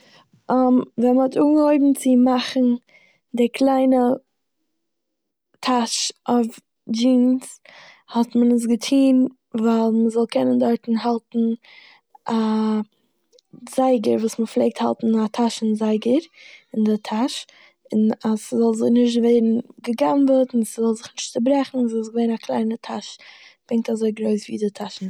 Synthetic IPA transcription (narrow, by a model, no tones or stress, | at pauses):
amvɛnməhɔtʰuːɡɡəhoɪbm̩t͡sɪmaχn̩ | dɪkʰlˠaɪnə | tʰaʃʔɔf | d͡ʒiːns | hɔtmənəs̬ɡətʰiːn | vaɪlˠməzɔlˠkʰɛnəndɔɾtn̩ɦalˠtn̩ | a | zaɪɡəɾvuːsməflˠeɪk̚tha̰lˠtn̩atʰaʃn̩zaɪɡəɾɪndɪtʰaʃ | ɪnasəzɔlˠzɪnɪʃ̬tveɪɾn̩ɡəɡanbətnsəzɔlˠzɪχnɪʃtt͡səbɾɛχn̩szɔlˠsɡəveɪɾnakʰlˠa̰ɪnətʰaʃb̥ɾɪŋk̚tazoɪɡɾoɪsvḭːdɪtʰaʃn̩